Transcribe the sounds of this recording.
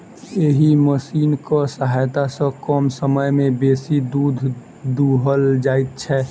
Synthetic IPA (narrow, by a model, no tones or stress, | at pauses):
eɦiməsiːnkɔsəɦaːjt̪asəkɔːmsəməjmẽbeːsid̪uːd̪ʱ | d̪uɦəld͡ʒaːɪt̪̚t͡ʃʰɛ